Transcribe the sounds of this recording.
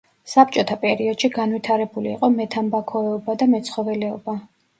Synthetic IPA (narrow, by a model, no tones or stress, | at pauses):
sap̚ʼt͡ʃʼɔt̪ʰapʼɛɾiɔd̪̥ʃiɡanwit̪ʰaɾɛbuliːqʼɔmɛt̪ʰambakʰɔɛɔbad̪amɛt̪sχɔvɛlɛɔba